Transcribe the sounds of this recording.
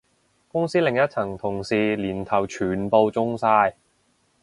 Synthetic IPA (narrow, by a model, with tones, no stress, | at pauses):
kʊ˥ŋsiː˥lɪ˨˩ŋjɐ˥t̚t͡sʰɐ˨˩ŋt̪ʰʊ˨˩ŋsiː˨˩liː˨˩nt̪ʰɐ˨˩wt͡ʃʰyː˨˩npo˧wt͡sʊ˥ŋsaː˧j